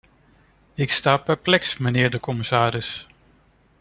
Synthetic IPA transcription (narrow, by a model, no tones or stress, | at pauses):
ɪkstaːpɛɹplɛksmənɪːɹdəkɔmɪsaːɾɪs